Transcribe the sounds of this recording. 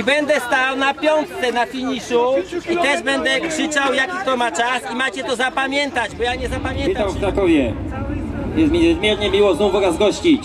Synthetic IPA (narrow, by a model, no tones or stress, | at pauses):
ibɛnd̪ɛst̪awnapʲjɔnt̪t̪sɛnafʲiɲiʂuit̪ɛʐbɛnd̪ɛkʂɘt͡ʂawjakʲik̚t̪ɔmat͡ʂasimat͡ɕɛt̪ɔzapamʲjɛnt̪ad͡ʑbɔjaɲɛzapamʲjɛnawft̪ɾakɔvʲjɛ | jɛst̪mʲiɲɛzmʲjɛɾɲɛmʲiwɔznufɔɾazɡɔɕt͡ɕi